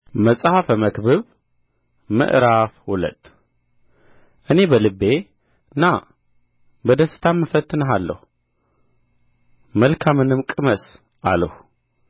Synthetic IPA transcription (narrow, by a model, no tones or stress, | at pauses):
məsʼhafəməkbɨβ | mɨ̰ʔɾafwulə̰t̪ʼ | ʔɨne̞bəlɨbːe̞ | na | bəd̪əsɨ̥t̪ʰamːɨfət̪ʰʼːɨnəɦalːə̰hu | məlkʰamɨnɨmkʼɨməs | ʔa̰ləhu